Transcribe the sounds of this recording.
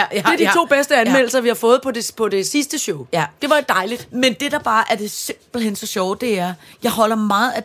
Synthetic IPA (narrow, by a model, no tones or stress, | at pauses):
d̥e̝ɐdit͡sʰo̝̰ːb̥esd̥əænmel̰l̩sɐʋihɑ̈fɔ̽ːð̞̩ˠpʰɒ̽depʰɒ̽de̝sisd̥əɕɔʊd̥e̝ʋɑ̈d̥ɑ̈ɪlid̥mend̥e̝d̥ɑ̈b̥ɑ̈ːʔæɐd̥e̝se̝mb̥l̩ɦensɒ̽ɕɒʊd̥e̝æɐjɑ̈ɪɦɒ̽l̰ɐmɑ̈ːð̩ˠæ